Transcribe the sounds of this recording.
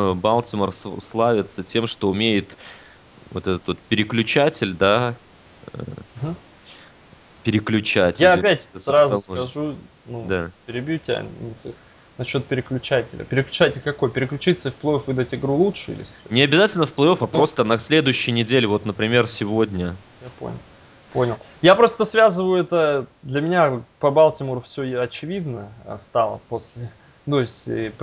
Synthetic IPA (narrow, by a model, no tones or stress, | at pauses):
əbalˠt̪ʲɪmərsslˠavʲɪt̪sətʲe̞mʂt̪o̞ʊmʲejɪt̪ | vo̞t̪ɛt̪ət̪vo̞t̪̚pʲɪɾʲɪklʲʉt͡ɕætʲɪlʲd̪a | ə̰ | pʲɪɾʲɪklʲʉt͡ɕætʲjaɐpʲæt̪ʲsɾazʊɐʐu | nud̪apʲɪɾʲɪbʲjutʲɪa̰ɪs | nɐɕːo̞t̪̚pʲɪɾʲɪklʲʉt͡ɕætʲɪ̰lʲə̰pʲɪɾʲɪklʲʉt͡ɕætʲɪlʲkɐko̞jpʲɪɾʲɪklʲʉt͡ɕit̪səɪfʲplˠɐofvɨd̪ətʲɪɡɾulˠutʂɨḭlʲɪ̰snʲɪɐbʲɪzatʲɪlʲnəfplˠɐofɐpɾo̞st̪ənɐsʲlʲe̞d̪ʊjʉɕːɪjnʲɪdʲelʲɪvo̞t̪nəpɾʲɪmʲe̞rsʲɪvo̞dʲnʲə | japo̰nʲɪ̰lˠ | ponʲɪlˠjapɾo̞st̪əsvʲazɨvəjʊɛt̪əd̪lʲəmʲɪnʲapɐbalˠtʲɪmurəfsʲɵɐt͡ɕɪvʲid̪nə̰st̪alˠə̰posʲlʲɪ | t̪oɪsʲtʲp